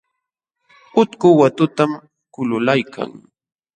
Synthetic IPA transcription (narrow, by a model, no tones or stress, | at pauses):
ʊt̪kʊwat̪ʊt̪am | kʊlʊlajkʰa̰ŋ